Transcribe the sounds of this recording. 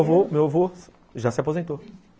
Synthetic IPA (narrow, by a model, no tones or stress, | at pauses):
vomewavo | ʒasɪapozẽnt̪o